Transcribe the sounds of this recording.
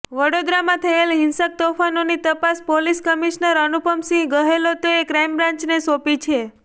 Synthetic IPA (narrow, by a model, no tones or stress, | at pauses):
ʋəɽod̪ɾamãt̪ʰəelɦɪnsək̚t̪ofanonit̪əpaspoliskəmiʃnəɾənupəmsĩɡəɦelot̪oekɾɛjmbɾãɲt͡ʃnesopit͡ʃʰe